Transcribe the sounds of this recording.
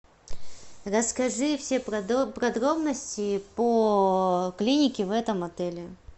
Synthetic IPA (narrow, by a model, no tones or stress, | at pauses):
rəskɐʐɨfsʲep̪pɾɐd̪ɾo̞bnəsʲtʲɪpo | klʲinʲɪkʲɪvɛt̪əmɐt̪ɛlʲɪ